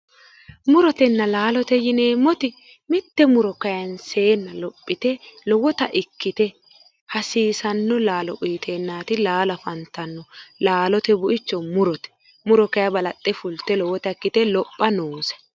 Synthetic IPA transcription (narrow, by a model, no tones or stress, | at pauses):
mʊɾɔt̪ɛnːɐlaːlɔt̪ɛjɪneːmːɔt̪ɪ | mɪt̪ːɛmʊɾɔkɐjɐnse̞ːnːɐlɔpʼːɪt̪ɛlɔwɔt̪ɐʔɪkːɪt̪ɛ | hɐsiːsɐnːɔlaːlɔʔiːt̪ʰeːnːaːt̪ɪlaːlɐfɐnt̪ːɐnːɔlaːlɔt̪ɛbʊʔɪt͡ʃːɔmʊɾɔt̪ɛ̥ | mʊɾɔkɐjɐbɐlɐt̪ʼːɛfʊlt̪ːɛlɔwɔt̪ɐɪkːɪt̪ɛlɔpʼːɐnoːsɛ̥